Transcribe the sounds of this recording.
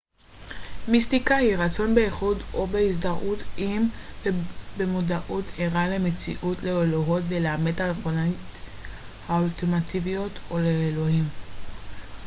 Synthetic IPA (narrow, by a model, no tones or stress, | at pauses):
mistikahiʁat͡so̞nbe̞eχudo̞beisdaʔutʰʔim | bemodaʔutʰheʁalemet͡sḭʔutleoloɦo̞tve̞leamedtalχon | haulteʁmativijo̞toleːlo̞him